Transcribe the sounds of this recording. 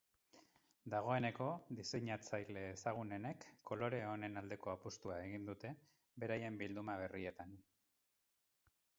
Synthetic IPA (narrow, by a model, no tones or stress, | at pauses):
d̪aɣ̞o̞e̞ne̞ko̞ðise̞ɲat͡sajle̞ːsaɣ̞une̞ne̞kʰːo̞lo̞ɾe̞o̞ne̞nald̪e̞ko̞apust̪uae̞ɣ̞ind̪ut̪e̞ | be̞ɾaje̞mbild̪umaβ̞e̞rie̞t̪an